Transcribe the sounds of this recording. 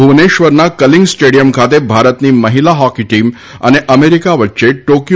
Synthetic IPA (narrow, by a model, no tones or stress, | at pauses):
uʋneʃʋəɾnakəliŋɡsʈeɽijəmkʰat̪ebʱaɾət̪niməɦilaɦɔkiʈim | ə̰neʔəmeɾikaʋətːʃeʈokj